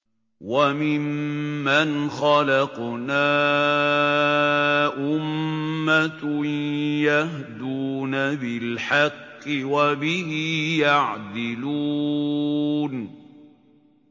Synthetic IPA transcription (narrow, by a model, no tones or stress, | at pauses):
wamɪmːanxɑlɑqnaː | ʔʊmːat̪ | jahd̪uːnabɪlħɑqːɪwabɪhijaʕd̪ɪluː | n